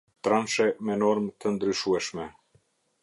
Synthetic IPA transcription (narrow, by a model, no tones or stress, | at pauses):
t̪ɾanʃɛmɛnɔɾmt̪ənd̪ɾyʃuɛʃmɛ